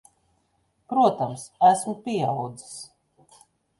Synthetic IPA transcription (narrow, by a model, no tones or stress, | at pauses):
pɾuɔt̪amsæsmʊpʲiɛawd̪zi̥s